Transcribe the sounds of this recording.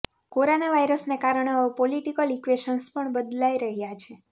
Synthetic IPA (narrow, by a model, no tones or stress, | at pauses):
koɾonaʋajɾəsnekaɾəɳeəpoliʈikəlikʋeʃənspəɳbəd̪laiɾəɦjat͡ʃʰe